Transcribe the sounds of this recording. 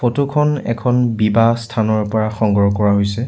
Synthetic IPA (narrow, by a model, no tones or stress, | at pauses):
fotokʰɔnɛ̰kʰɔnbibastʰanɔɹpɔɹaxɔŋɡɹɔkɔɹaɦojsɛ